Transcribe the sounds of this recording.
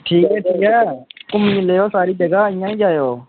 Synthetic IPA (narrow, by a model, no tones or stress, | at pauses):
ʈʰiːkɦɛːʈʰiːkɦɛːkʊmɲɪ̃lejoːsaːɾiːd͡ʒəɡaɦɪ̃jãːĩːd͡ʒaːjoː